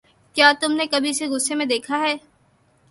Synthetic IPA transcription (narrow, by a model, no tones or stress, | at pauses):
kjaːt̪ʊmnekɐbʱiseɣʊsːemẽd̪eːkʰaɦɛː